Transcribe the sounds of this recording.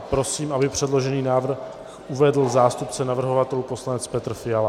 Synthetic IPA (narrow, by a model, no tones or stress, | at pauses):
pɾo̞siːmʔabɪpr̝̥ɛdlo̞ʒɛniːnaːvr̩ | xʔuvɛdl̩zaːst̪upt͡sɛnavr̩ɦovat̪ɛlupo̞slanɛt͡spɛt̪r̩fɪjala